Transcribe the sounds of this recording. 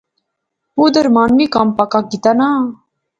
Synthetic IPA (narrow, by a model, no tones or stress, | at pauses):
ɦud̪əɾmaːnmikampakak̚ɡit̪ana